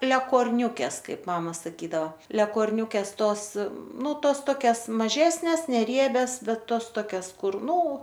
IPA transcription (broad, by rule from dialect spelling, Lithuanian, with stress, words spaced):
lʲɛkoːrʲˈnʲuːkʲɛs ˈkɐɪp ˈmɑːmɐ sɐˈkʲiːdɐʋoː lʲɛkoːrʲˈnʲuːkʲɛs ˈtoːs ˈnʊ ˈtoːs ˈtoːkʲɛs mɐˈʒʲæːsʲnʲɛs nʲɛˈrʲiɛbʲɛs ˈbʲɛt ˈtoːs ˈtoːkʲɛs ˈkʊr ˈnʊ